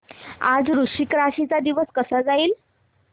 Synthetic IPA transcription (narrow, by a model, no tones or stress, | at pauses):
a̰d͡zɾuʂikɾaɕit͡sad̪iʋəskəsad͡zaiːl